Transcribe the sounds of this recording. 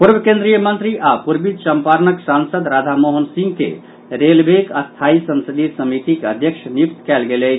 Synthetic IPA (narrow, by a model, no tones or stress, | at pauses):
puɾbəkẽnd̪ɾijəmə̃nt̪ɾiʔapuɾbid̪səmpaɾnəksansəd̪ɾad̪ʱamoɦənsĩŋɡkḛ | ɾelbʱekəst̪ʰaisənsəd̪it̪səmit̪ikeəd̪ʱjəkʃʰənip̚t̪kɛlɡelɛt͡ʃ